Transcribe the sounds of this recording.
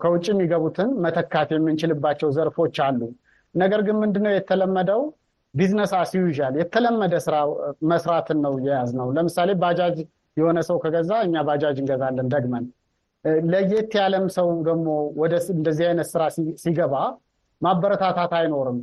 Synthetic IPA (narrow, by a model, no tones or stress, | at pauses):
kʰəwʊt͡ʃʼːijɛmːiɡəβut̪ʰɨnmət̪ʰəkːat̪jɛmːɨnt͡ʃɪlɨbːat͡ʃːɛwzəɾfo̞t͡ʃːalːu | nəɡəɾɡɨnmɨnd̪ɨnːəwjɛt̪ʰːələmːəd̪əw | biznəsasijuʒaljɛt̪ʰːələmːəd̪əsɨɾaməsɾat̪ʰɨnːəwjɛjaznəwləmɨsale̞bad͡ʒad͡ʒ | jɛho̞nəsəwkʰəɡəzaɨɲːabad͡ʒad͡ʒɨŋɡəzalːənd̪əɡmən | ləjɛt̪ʰːjaləmsəwd̪əɡmo̞wɔd̪əɨnd̪əzːihajnət̪sɨɾassiɡəβa | mabəɾət̪ʰat̪ʰat̪ajno̞ɾɨm